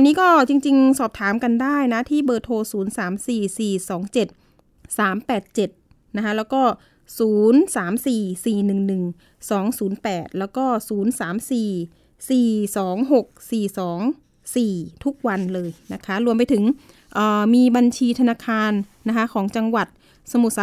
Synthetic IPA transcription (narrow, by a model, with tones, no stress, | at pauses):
nːiː˦˥kɔː˥˩t͡ɕi˧ŋt͡ɕi˧ŋsɔː˨˩p̚t̪ʰaː˩˦mka˧ndaː˥˩jna˦˥t̪ʰiː˥˩bɤː˧˩t̪ʰoː˧suː˩˦nsaː˩˦msiː˨˩siː˨˩sɔː˩˦ŋt͡ɕe˨˩t̪̚ | saː˩˦mpɛː˨˩t̪̚t͡ɕe˨˩t̪̚ | na˦˥kʰa˦˥lɛː˦˥wkɔː˥˩ | suː˩˦nsaː˩˦msiː˨˩siː˨˩nɯ˨˩ŋnɯ˨˩ŋ | sɔː˩˦ŋsuː˩˦npɛː˨˩t̪̚lɛː˦˥wkɔː˥˩suː˩˦nsaː˩˦msiː˨˩ | siː˨˩sɔː˩˦ŋɦo˨˩k̚siː˨˩sɔː˩˦ŋ | siː˨˩t̪ʰu˦˥k̚wa˧nlɤː˧jna˦˥kʰa˦˥ɾu˧mpa˧jt̪ʰɯ˩˦ŋ | ʔɤː˨˩miː˧ba˧nt͡ɕʰiː˧t̪ʰa˧naː˧kʰaː˧nː | a˦˥kʰa˦˥kʰɔː˩˦ŋt͡ɕa˧ŋwa˨˩t̪̚ | sa˧mu˨˩t̪̚s